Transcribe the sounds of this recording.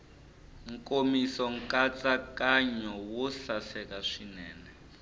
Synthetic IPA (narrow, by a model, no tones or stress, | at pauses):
ŋkomisɔŋkat͡sakaɲɔwɔɬasɛkaʂinɛːnɛ